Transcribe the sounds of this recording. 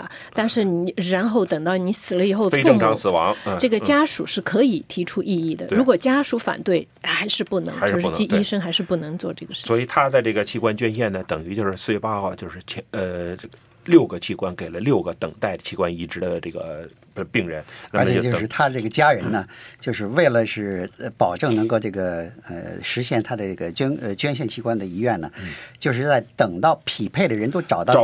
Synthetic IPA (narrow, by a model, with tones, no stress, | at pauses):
t̪a˥˧nʂɻ̩˥˩ni˧˩ɻa˧˥nxo˥˩ʊt̪ɤ˨˩ŋt̪ɑ˥˩ʊni˧˥sɹ̩˨˩lə˦i˨˩xo˥˧ʊfe˥uə˥˧˥ŋkɑ˥ŋsɹ̩˨˩wɑ˧˥ŋ˧ʈ͡ʂɤ˥˩ɡə˩t͡ɕja˥ʂu˨˩ʂɻ̩˥˩kʰɤ˧˥i˨˩t̪ʰi˧˥ʈ͡ʂʰu˥ʔi˥˧i˥˩d̪ə̰˩ɻu˧˥kwɔ˨˩t͡ɕja˥ʂu˧˥fa̰˨˩nt̪we˥˩ɪ | xa˧˥ɪʂɻ̩˥˧pu˥˩nɤ˧˥ŋa˧˥oʂɻ̩˥˧ʊʂu˥˩˧t͡ɕi˥˧i˥ʂɤ˥ŋxa˧ɪʂɻ̩˥˧pu˥˩nɤ˧˥ŋt͡swɔ˥˧ʈ͡ʂɤ˥˩ɡə˩ʂɻ̩˥swɔ˧˨˥i˨˩t̪ʰa˥t͡sa˥˧ɪʈ͡ʂɤ˥˩ə˩t͡ɕʰi˥˧kwa˥nt͡ɕɥɛ˥nɕjɛ˥˩nnə˩t̪ɤ˨˩ŋy˧˥t͡ɕjo˥˧ʊʂɻ̩˥˧swe˥˧ɪpɑ˥xɐ˧t͡ɕjo˥˧ʊʂɻ̩˥˩t͡ɕʰɛ˧˥ə˧˥ | ljo˥˩ʊɡə˩t͡ɕʰi˥˩kwa˥nke˨˩ɪlə˦ljo˥˩ʊɡə˩t̪ɤ˨˩ŋt̪a˥˩ɪt͡ɕʰi˥kwa˥ni˧˥ʈ͡ʂɻ̩˧˥d̪ə˧ʈ͡ʂɤ˥˩ɡə̰˩˧ | pi˥˩ŋɻə˧˥nna˞˥˧˥t͡ɕmɛ˨˧˩jo˥˧ʂɻ̩˥˩t̪ʰa˥˧ʈ͡ʂɤ˥˩ɡə˩t͡ɕja˥ɻə˧˥nnə˧t͡ɕjo˥˧ʊʂɻ̩˥˧we˥˩ɪlə˩ʂɻ̩˥˩ə˧pɑ˨˩ʊʈ͡ʂɤ˥˩ŋnɤ˧˥ŋko˥˧ʊʈ͡ʂɤ˥˩ɡə˩ə̰˧ʂɻ̩˧˥ɕjɛ˥˩nt̪ʰa˥d̪ə˨˧ʈ͡ʂə˥˩ɡə˩t͡ɕɥɛ˥nə˧t͡ɕɥɛ˥nɕjɛ˥˩nt͡ɕʰi˥kwa˥nd̪ə˨i˧˥ɥɛ˥˩nnə˩t͡ɕjo˥˧ʊʂ̬ɻ̩˥˧t͡sa˥˩ɪt̪ɤ˨˩ŋt̪ɑ˥˩ʊpʰi˨˩pʰe˥˩ɪd̪ə˩ɻə˧˥nt̪o˥ʊʈ͡ʂɑ˨˩ʊt̪ɑ˥˧